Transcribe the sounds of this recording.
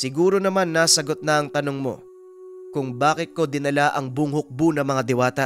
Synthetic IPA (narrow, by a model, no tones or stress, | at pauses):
sɪɡuːɾo̞nɐmanːaːsɐɡo̞t̪̚nɐɐŋt̪ɐnoŋmo̞̰ | kʊŋbaːkɪt̪̚ko̞d̪ɪnɐlaʔɐŋbʊŋhʊk̚bunɐŋmɐŋad̪ɪwaːt̪ɐ